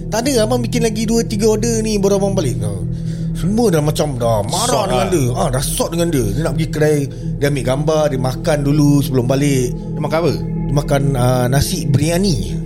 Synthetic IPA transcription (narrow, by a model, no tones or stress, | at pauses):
t̪adəamabikɪnlaɡiduət̪iɡəodənĩbəɾomaŋbalɪʔna | səmũədalamat͡ʃamdamaɾɔʔdəŋandəaɾasɔʔ̚dəŋandiədənaʔpəɡikəɾaj | diamiʔɡambardimakandulusəbəlʊmbalɪʔ | dmakabə | dimakanəːasɪʔbəɾianḭ